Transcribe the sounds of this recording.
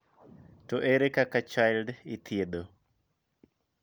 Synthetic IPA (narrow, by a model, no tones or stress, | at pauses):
toʔeɾekakat͡ʃajlɖit̪ʰjed̪o